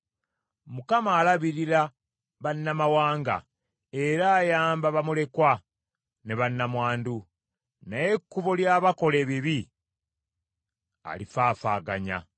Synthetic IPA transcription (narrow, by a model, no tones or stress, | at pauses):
mukamaːlaβiɾiɾa | βanːamawaːŋɡa̰ | e̞ɾaːjaːmbaβamule̞kwa | neβanːamwaːndu | naje̞kːuβo̞ljaːβako̞le̞ːβiβi | a̰lifaːfaːɡa̰ɲa̰